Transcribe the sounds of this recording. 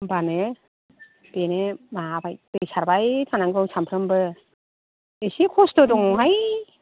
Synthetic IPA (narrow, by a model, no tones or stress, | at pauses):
bane | benemabajb̥ejsaɾbajtʰanaŋɡɯwsampʰɾɯmbɯ | esikʰɔstɔdɔŋɔŋɦaj